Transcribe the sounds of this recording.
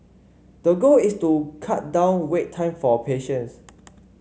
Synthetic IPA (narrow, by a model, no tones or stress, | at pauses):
d̥əɡolistukʰat̚dãʊ̃nwetʰːãɪ̃mfɔpʰeʃə̃ns